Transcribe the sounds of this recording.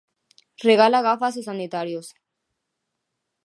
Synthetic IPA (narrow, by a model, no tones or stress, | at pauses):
reɣalaɣafas̬esanit̪aɾjos